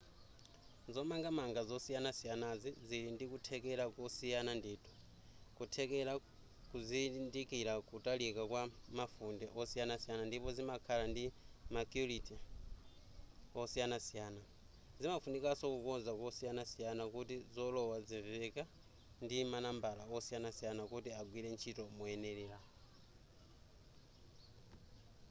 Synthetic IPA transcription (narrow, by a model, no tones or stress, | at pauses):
zɔmaŋɡamaŋɡazɔsijanasijanazid͡ziɾindikutʰɛkɛɾakɔsijanandiːtʰu̥ | kutʰɛkɛɾa | kuzindikiɾakutalikakwamafundɛʔɔsijanasijanandipɔzimakʰalandimakʼuɾitʰʼi | ɔsijanasijaːna | zimafundikasɔkukɔnzakɔsijanasijanakutizɔlɔwaziɱvɛka | ndimanambalaɔsijanasijanakutiaɡwilɛnt͡ʃʰitɔmɔɛnɛɾɛːla